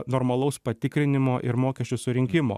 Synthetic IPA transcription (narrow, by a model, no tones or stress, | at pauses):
nɔːɾmɐlˠɒʊspɐt̪ʲɪkɾʲɪnʲɪmoːʔɪɾmoːkʲɛʃʲt͡ʃʲʊsʊɾʲɪŋʲkʲɪmo̰ː